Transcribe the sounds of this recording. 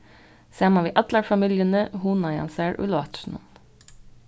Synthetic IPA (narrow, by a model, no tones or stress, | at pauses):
sæːmɑʋiːʔɑd̪lɑɹfɑmiːljənəhuːnɑjɑ̰nsæɹʔʉ̰lɑ̰t̪ʃn̩ɔ̰n